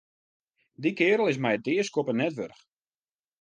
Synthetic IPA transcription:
dikɪːɾəl̩ˠɪs̬mɛjdɪəskopənɛtʋørx

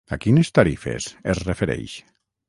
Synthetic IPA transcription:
a̰kinest̪aɾifḛsesrefeɾɛ̰jʃ

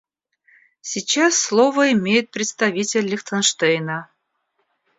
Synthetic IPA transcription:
sʲit͡ɕasːlˠovəɪmʲejɪt̪̚pɾʲɪt̪st̪ɐvʲitʲɪlʲːɪxt̪ʰənʂt̪ejnə

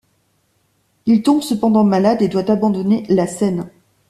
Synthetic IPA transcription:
ilt̪ɔ̃bsəpɑ̃d̪ɑ̃malad̪ed̪wat̪abɑ̃d̪ɔnelasɛn

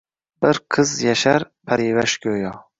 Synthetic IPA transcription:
b̥ɪɾqʰɨzjaʃaɾ | pʰaɾivaʃkʰʲøjɒ

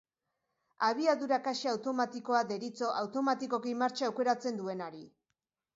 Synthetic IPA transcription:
aβ̞iaðuɾakaʃeawt̪o̞mat̪iko̞aðe̞ɾit͡so̞ʔawt̪o̞mat̪iko̞kimaɾt͡ʃaːwke̞ɾat͡se̞nd̪ue̞naɾi

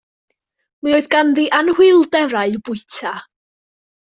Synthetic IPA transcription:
mɨoːɨðɡanðiʔanhwɪlˠdɛɾaɨb̥ʊɨtʰa

